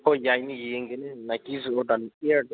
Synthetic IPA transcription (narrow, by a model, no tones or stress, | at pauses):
ɔjajnijɛŋɡɛnɛnaɡ̥iziɔdanid